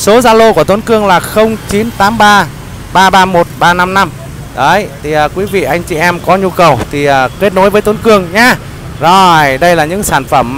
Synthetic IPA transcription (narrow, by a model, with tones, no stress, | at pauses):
so˨˦zaː˧lo˧ku˧˩ət̪ə˨˦nkɨ˧əŋlaː˨˩xə˧wŋ͡mt͡ɕi˨˦nt̪aː˨˦mɓaː˧ | ɓaː˧ɓaː˧mo˨˩t̚ɓaː˧na˧mna˧m | ɗəː˨˦jt̪ʰi˨˩ʔəː˨˩kwi˨˦vḭ˧˨ʔa˧jŋ̟t͡ɕi˨˩ʔɛ˧mkɔ˨˦ɲu˧kə˨˩wt̪ʰi˨˩əː˨˩ke˦˥t̚no˨˦jvəː˨˦jt̪o˨˦nkɨ˧əŋɲaː˧ | zo˨˩jɗə˧jlaː˨˩ɲɨ̰˧˥ŋsaː˧˩nfə˧˩mː